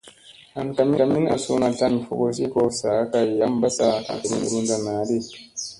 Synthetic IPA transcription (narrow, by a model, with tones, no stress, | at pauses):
ha˨nka˨mi˦a˨mi˦na̰˨su˦na˨ta˦nfu˦ko˦s̬i˦kɔ˨saː˨˦ka˨jːa˦mba˦sa˨a̰˨kɾḭ˦n̰˨ɾu˦nda˨naː˨˦di˦